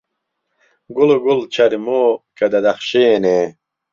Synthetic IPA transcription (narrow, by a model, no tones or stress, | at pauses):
ɡuloɡult͡ɕʰɐɾimoːkɐd̪ɐd̪ɐχɕeːne